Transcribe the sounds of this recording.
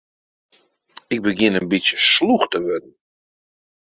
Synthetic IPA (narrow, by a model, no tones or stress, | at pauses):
ɪk̚bəɡɪnənbisjəsluxtəʋødən̩